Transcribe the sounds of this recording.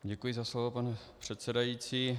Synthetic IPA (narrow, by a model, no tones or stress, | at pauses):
ɟɛkujɪzaslovopanɛpr̝̥ɛt̪sɛdajiːt͡siː